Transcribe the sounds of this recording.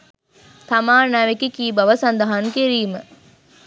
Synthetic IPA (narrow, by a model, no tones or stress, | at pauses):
t̪amaːnaʋekikiːbaʋəsand̪aɦaŋkeɾiːmə